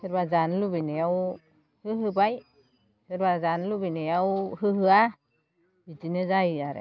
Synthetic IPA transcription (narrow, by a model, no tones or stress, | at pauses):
sɯɾbazanlubinejaw | hɯɦɯbaj | sɯɾbazanlubinejawhɯɦɯa | bitinɯzajaɾḛ